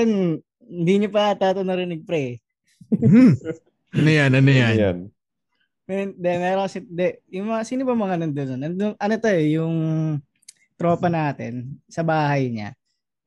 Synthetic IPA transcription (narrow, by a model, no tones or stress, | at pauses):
ɛn | hɪnd̪iɲopɐt̪aːt̪onɐɾɪnɪɡ̚pɾɛ | ɐnʊjanɐnʊjann | mɛd̪ɛmɛːɾoŋkɐsɛnd̪ɛjʊŋmɐŋasiːnʊbɐmɐŋanond̪ononɐnd̪oŋʔɐnot̪ɐjjʊŋ | t̪ɾo̞ːpɐnaːt̪ɛnsɐbaːɦɐjɲa̰